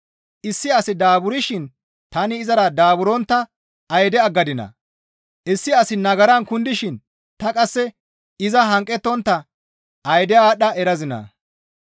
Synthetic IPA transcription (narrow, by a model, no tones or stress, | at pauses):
ʔɪsːɪɐsɪd̪aːbʊɾɪʃɪn | t̪ɐnɪːzɐɾɐd̪aːbʊɾɔnt̪ːɐ | ɐjd̪ɛɐɡːɐd̪ɪnɐ̰ | ʔɪsːɪɐsɪnɐɡɐɾɐnkʊnd̪ɪʃɪn | t̪ɐkʼɐsːɛ | ɪzɐɦɐŋkʼːɛt̪ːɔnt̪ːɐ | ɐjd̪ɛaːɗɐʔɛɾɐzɪnɐ̰